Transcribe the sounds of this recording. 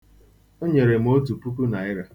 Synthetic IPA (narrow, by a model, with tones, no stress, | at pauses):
o˦ɲe˨ɾe˨m̩˦o˦tu˨pu˦ku˦na˨ɪ˦ɾa˦